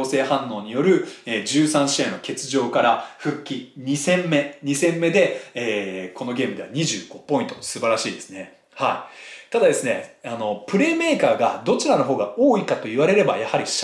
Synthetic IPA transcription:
oːse̞ːhãnːo̞ːɲ̟ijo̞ɾɯ̟eːd͡ʑɨːsãɰ̃ɕiẽ̞nːo̞ke̞t͡sɨʑo̞ːkaɾaɸɯ̟kʲːiɲisẽ̞mːe̞ɲisẽ̞mːe̞d̪e̞eːko̞no̞ɡʲe̞ːmɯ̟d̪e̞a̰ɲ̟iʑɨːɡ̥o̞po̞ĩnt̪o̞sɨbaɾaɕḭːd̪e̞sɨ̥ne̞ | hait̪ad̪ad̪esɨne̞̰ano̞pɯ̟ɾe̞ːme̞ːkaːɡad̪o̞t͡ɕiɾano̞ɦo̞ːɡao̞ːikat̪o̞iβaɾe̞ɾe̞ba̰jahaɾʲiɕ

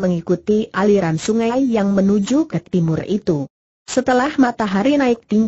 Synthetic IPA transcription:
məŋikut̪iʔaliɾansuŋajjaŋmənud͡ʒukət̪imʊrḭt̪u | sət̪əlahmat̪aɦaɾinaɪk̚t̪iɲ

